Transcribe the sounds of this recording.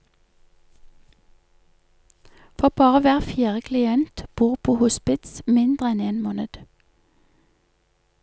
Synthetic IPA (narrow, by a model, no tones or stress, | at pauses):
fɔʁbɑːʁəʋæːʁfjæːʁəkʰlɪɛnt̪b̥uːʁpʰoːhʊspɪt̪smɪnd̪ʁəɛneːnmoːnəd̪̥